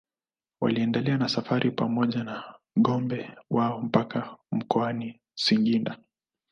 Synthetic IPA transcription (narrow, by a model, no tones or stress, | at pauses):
wa̰liɛndɛlɛanasafaɾʔipamɔʄana | ɠɔmbɛwaɔm̩pakam̩kɔani | siŋɡinda